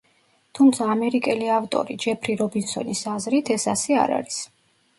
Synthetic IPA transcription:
t̪ʰumt̪sʰaːmɛɾikʼɛliavt̪ʼɔ̰ɾid͡ʒɛpʰɾiɾɔbinsɔ̰nisazɾit̪ʰɛsasɛa̰ɾa̰ɾis

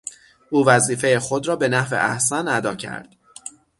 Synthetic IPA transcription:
ʔuːvæziːfe̞jexo̞d̪ɾɒːbe̞næhvḛʔæhsænæd̪ɒːcʰæ̰ɾd̪̥

